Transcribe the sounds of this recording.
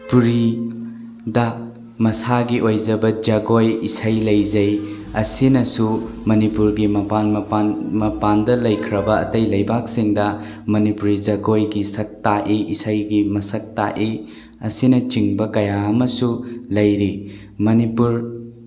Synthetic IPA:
puɾi | dɐ | mɐsaɡiʔojzɐbɐd͡ʒɐɡojisɐjlɐjzɐj | ɐsinɐsumɐnipuɾɡimɐpanmanmɐpandɐlɐjkʰɾɐbɐ̰ːtɐjlɐjbak̚siŋdɐ | mɐnipuɾid͡ʒɐɡojɡisɐk̚taʔiʔisajɡimɐsɐk̚taʔi | ɐsinɐt͡ʃiŋbɐkɐjaɐmɐsulɐjɾi | mɐnipuɾ

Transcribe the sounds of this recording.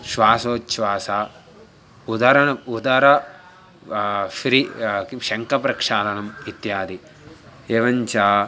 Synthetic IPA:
ʃʋaːsoːtːʃʋaːsaː | ud̪ɐɾɐnɐud̪ɐɾɐ | ʃɾiʃɐŋkɐpɾɐkʂaːlɐnɐmit̪jaːd̪i | eːʋɐɲt͡ʃaː

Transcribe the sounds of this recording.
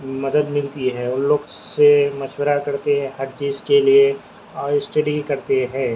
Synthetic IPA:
mɐd̪əd̪mɪlt̪iɦɛːʊnloːɡsemɐʃwəɾakɐɾt̪eɦɛ̃ɦɐɾt͡ʃiːzkelie | ɔːɾɪsʈeːɖikɐɾt̪eɦɛ̃ː

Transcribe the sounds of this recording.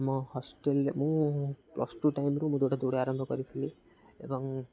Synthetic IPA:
mʌhʌsʈelmũplʌ̰sʈuʈajmɾumũd̪oɽad̪oɽeaɾʌmbʱʌɡʌɾit̪ʰeli | ḛbʌŋ

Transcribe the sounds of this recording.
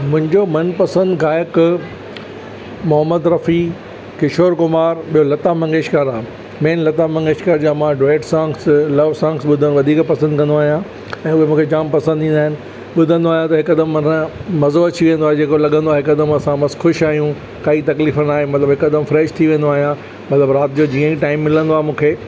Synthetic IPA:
mʊ̃ɦɪ̃ɲd͡ʑomɐnpɐsə̃nd̪ɡaːjək | mʊɦəmːəd̪ɾɐfi | kɪʃoːɾkʊmaːɾɓijolɐt̪amɐ̃ŋɡeːʃkəɾaː | mẽːnlɐt̪amɐ̃ŋɡeːʃkəɾd͡ʑaːmãɖɾeːɖsãːŋkslɐʋsãːŋɡsɓʊd̪ʱənʋɐd̪ʱiːkpɐsə̃nd̪kɐ̃nd̪oaːɦijã | ɛ̃ːʊɦemũːkʰed͡ʑaːmpɐsə̃nd̪ʱĩːnd̪aːɦɪnɪ̆ | ɓʊd̪ʱə̃nd̪oaːɦijãt̪ɐɦɪkd̪əmɐñmɐzoɐt͡ɕʰiʋẽːnd̪oaːɦed͡ʑeːkolɐɠə̃nd̪oaːɦeɦɪkəd̪əmɐsãmɐsxʊʃaːɦijũ | kaːit̪ɐkliːfənaːɦemɐt̪ləbɦɪkəd̪əmfɾɛːʃt̪ʰiʋẽːnd̪oaːɦijã | mɐt̪ləbɾaːt̪ɪd͡ʑod͡ʑiːə̃ĩʈaːɪmːɪlə̃nd̪oaːɦemũːkʰeː

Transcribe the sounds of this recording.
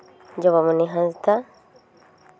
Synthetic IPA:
ɲɟoβamuniɦanzita

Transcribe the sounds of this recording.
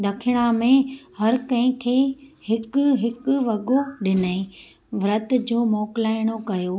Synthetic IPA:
ɗ̪ɐkʰɪɽ̃amẽhɐɾkɐ̃ɦɪ̃kʰeːhɪkʊɦɪkʋɐɠoɗɪnəẽ | ʋɾɐt̪̆d͡ʑoːmɔːkɪlaːɪɽ̃okɐjo

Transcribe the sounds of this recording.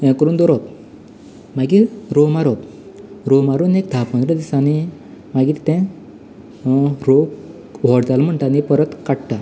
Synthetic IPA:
jãkəɾuːnd̪ɔɾop̚ | maɡiːɾomaɾop̚ | ɾomaɾuːnek̚d̪ʱapə̃nd̪ɾəd̪isani | maɡiːt̪ɛ̃ | ɾo | ʋɔɽt̪alm̤əɳʈ̪anipəɾət̪kaɽʈa

